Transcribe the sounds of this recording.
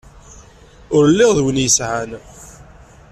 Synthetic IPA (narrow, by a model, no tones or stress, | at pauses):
ʊɾlːɪʁðwənjəsʕan